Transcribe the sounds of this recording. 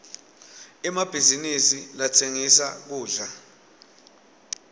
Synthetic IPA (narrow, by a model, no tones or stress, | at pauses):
ɛmab̥ʱizinisilatʰeŋisak̬uːɮa